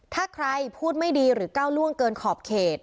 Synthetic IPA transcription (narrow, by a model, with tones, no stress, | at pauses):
t̪ʰaː˥˩kʰɾa˧jpʰuː˥˩t̪̚ma˥˩jdiː˧ɾɯː˩˦kaː˥˩wlu˥˩əŋkɤː˧nkʰɔː˨˩p̚kʰeː˨˩t̪̚